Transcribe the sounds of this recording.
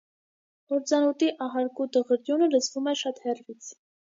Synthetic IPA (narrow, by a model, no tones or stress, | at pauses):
ɔɾt͡sɑnɔt̪iʔɑɦɑɾkud̪əʁəɾd̪junələt͡svumɛʃɑt̪hɛrvit͡sʰ